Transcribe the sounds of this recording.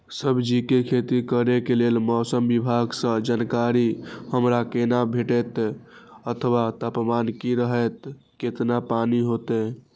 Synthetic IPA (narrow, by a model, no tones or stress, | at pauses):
səbd͡ʒikekʰet̪ikəɾekelelmɔsəmbibʱaɡsə̃d͡ʒankaɾihəmɾakenabʱeʈɛt̪ | ət̪ʰəwat̪əpmankiɾəɦɛt̪ | ket̪napaniɦot̪ɛ